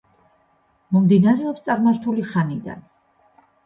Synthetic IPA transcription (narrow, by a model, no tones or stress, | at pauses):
mɔmd̪inaɾɛɔpst̪sʼaɾmaɾt̪ʰuliχanid̪a̰n